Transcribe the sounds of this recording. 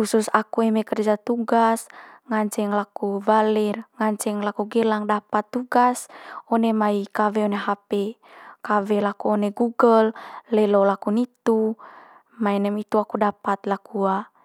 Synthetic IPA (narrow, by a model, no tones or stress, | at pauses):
ususakuɛmɛkərd͡ʒat̪uɡasŋaɲt͡ʃɛŋlakuvalɛrŋaɲt͡ʃɛŋlakuɡɛlaŋdapat̪ːuɡasɔnemaikavɛɔneɦapɛ | kavɛlakuoneɡuɡəlːɛlolakunit̪u | maɛnɛmit̪uakudapat̪lakua